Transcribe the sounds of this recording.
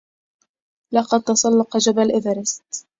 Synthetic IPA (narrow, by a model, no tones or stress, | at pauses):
lɑqɑd̪̚t̪ɑsˤɑlːɑqɑd͡ʒabalʔɪvaɾɪst̪